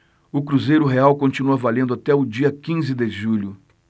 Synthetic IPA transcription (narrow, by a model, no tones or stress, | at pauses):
ʊkɾuzejɾʊɦeawkõnt͡ʃinuɐvalẽnd̪ʊat̪ɛʊd͡ʒiɐkĩzɪd̪eʒuʎʊ